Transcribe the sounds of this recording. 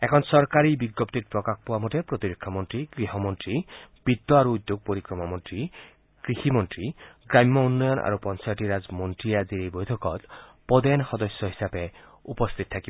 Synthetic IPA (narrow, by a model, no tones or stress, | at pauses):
ɛkʰɔnsɔɾkaɾibiɡːɔpt̪iɾpɾɔkakpowamotepɾot̪iɾekʰːɔmɔntɾiɡɾiɦɔmɔntɾib̥id̪ːɔaɾuud̪joɡ̚poɾikɾɔmamɔntɾi | kɾiximɔntɾiɡɾamːɔunːɔjɔnʔa̰ɾupɔnt͡ʃajɔʈiɾazmɔntɾiad̪iɾejbojt̪ʰɔkɔt̪ | pɔd̪enxɔd̪ɔsjɔɦi̥sape | upɔst̪ʰit̪̚t̪ʰakibɔ